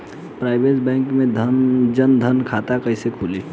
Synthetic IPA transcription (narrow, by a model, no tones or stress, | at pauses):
pɾaːɪbeːsbɛ̃ːŋkmẽd̪ʱənd͡ʒənd̪ʱənkʰaːt̪akəɪsekʰuːleː